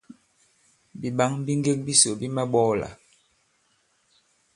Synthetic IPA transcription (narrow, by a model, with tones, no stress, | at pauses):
bi˨ɓa˦ŋbi˦ŋɡe˦k̚bi˦so˨bi˦mɛ˦ɓɔ˦la̰˨